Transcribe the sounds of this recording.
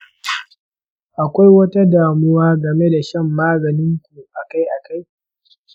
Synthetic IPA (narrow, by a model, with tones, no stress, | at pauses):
ʔa˨kʷa˦jwɐ˦ta˦daː˨mʊ˦waː˦ɡɐ˨me˦da˨ʃɐ˦mːaː˦zɐ˨nɪ˦ŋkʷu˨ʔa˨ka˦jʔa˨ka˦j